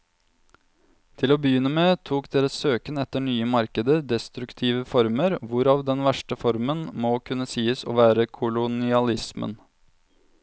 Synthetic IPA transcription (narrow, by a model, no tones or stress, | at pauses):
t̪ʰɪloːbəjʏnːəmeːt̪ʰuːkd̪eːɾəsøːkənɛt̪ːəɳyːəmɑɾkəd̪əd̪ɛst̪ɾʉkt̪ʰiːʋəfɔɾməɾʋʊɾɑːʋd̪ɛnʋæʂʈəfɔɾmənmokʰʉnːəsiːəso̰ːʋæːɾəkʰʊlʊnɪɑlɪsmə̰n